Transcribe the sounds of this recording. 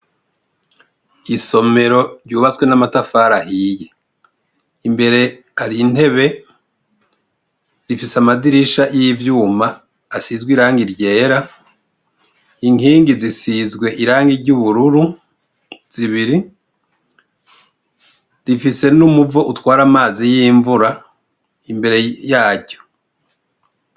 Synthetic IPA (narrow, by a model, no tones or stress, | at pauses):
iso̞me̞ɾo̞ɾɟuːβat͡swe̞namatafaːɾahiːje | imbe̞ɾe̞ | haɾin̥he̞βe̞ | ɾifisamadiɾiʃajivjuːmaː | sizɡwiɾaːŋɡiɾɟe̞ːɾa | iŋiːŋɡizisizɡwe̞ʔiɾaːŋɡiɾɟuβuɾuɾu | z̥iβiɾi | ɾifise̞numuvoʔutwaːɾamaːzijiːɱvuɾa | imbe̞ɾe̞jaːɾɟo̞̥